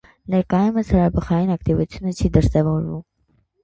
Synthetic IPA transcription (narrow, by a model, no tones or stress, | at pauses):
nɛɾkɑjuməshɑɾɑbəχɑjinɑkt̪ivut͡sʰjunət͡ʃʰid̪əɾsɛvɔɾvum